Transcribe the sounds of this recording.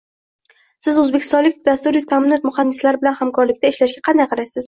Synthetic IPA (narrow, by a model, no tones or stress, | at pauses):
sɪzɵzbekʲʰɪst̪ɒnlɪk̚ʲbd̪ast̪uɾɪt̪ʰamɪnɒt̪̚mʊhand̪ɪslaɾbɪlanhamkʰɒɾlɪkʲt̪aeʃlaʃɡʲaqʰɑnd̪ajqʰɑɾasɪz̥